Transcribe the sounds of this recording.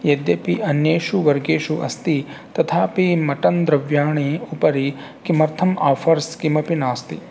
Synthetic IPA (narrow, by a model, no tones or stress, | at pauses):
jɐd̪jɐpiʔɐnjeːʃuʋɐɾɡeːʃuʔɐ̰st̪it̪ɐt̪ʰaːpimɐʈɐnd̪ɾɐʋjaːɳiupɐɾi | kimɐɾt̪ʰɐmaːfʰɐɾskimɐpinaːst̪i